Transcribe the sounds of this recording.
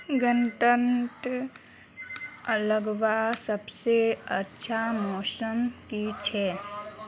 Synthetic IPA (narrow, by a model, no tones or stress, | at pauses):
ɡənʈənʈ | ələɡʋasəbseətːʃʰamɔːsəmkit͡ʃʰɛː